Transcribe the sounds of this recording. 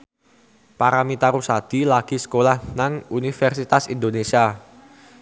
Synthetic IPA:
paɾamit̪aɾusad̪̥ilaɡ̥i̤sə̥kolahnaŋunifɛrsit̪asḭnd̪onesia

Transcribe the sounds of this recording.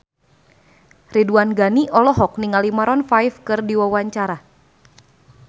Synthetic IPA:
riduanɡaniʔɔlɔɦɔk̚niŋalimaɾɔnfajfkɨrdiwawaɲt͡ʃaɾa

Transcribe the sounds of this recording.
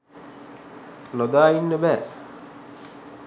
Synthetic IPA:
lod̪aːjinːəbɛː

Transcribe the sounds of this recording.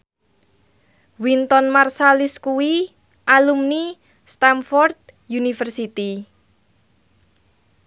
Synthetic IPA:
wint̪ɔnmarsalɪskuwi | ʔalumni | st̪anfɔrd̪̚ | junifərsit̪i

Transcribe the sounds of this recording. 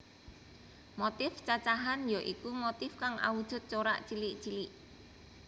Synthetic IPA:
mot̪ɪft͡ʃat͡ʃaɦanjɔʔikumot̪ɪfkaŋʔa̰wud̥ʒ̥ʊ̤t̪̚t͡ʃoɾa̰ʔt͡ʃilɪʔt͡ʃilɪʔ

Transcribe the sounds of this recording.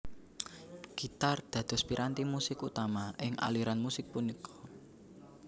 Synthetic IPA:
ɡ̥it̪ard̪̥ä̤d̪̥ɔ̤spiɾʔant̪imusɪkut̪amaɪŋʔa̰liɾanmusɪk̚punikʰɔ̥

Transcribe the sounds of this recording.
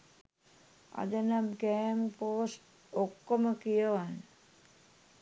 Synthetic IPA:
a̰d̪ənamkɛːmpoːsʈ | okːoməkijəʋan

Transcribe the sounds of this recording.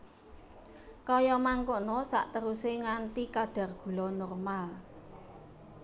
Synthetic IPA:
kɔjɔmaŋkonɔsa̰ʔt̪əɾuseŋant̪ikad̪̥ä̤rɡ̥ṳlɔnɔrmal

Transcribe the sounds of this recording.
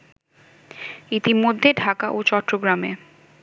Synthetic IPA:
it̪imod̪ʱːeɖʱakaʔot͡ɕɔʈːɾoɡɾame

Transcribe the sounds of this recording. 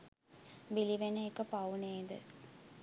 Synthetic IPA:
biliʋenəekəpauneːd̪ə̰

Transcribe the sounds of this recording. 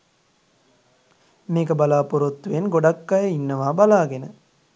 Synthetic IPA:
meːkəbalaːpuɾot̪ːuʋenɡoɖakːajəinːəʋaːbalaːɡenə

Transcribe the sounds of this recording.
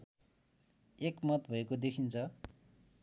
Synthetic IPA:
ekmʌt̪bʱʌekod̪ekʰint͡sʰʌ

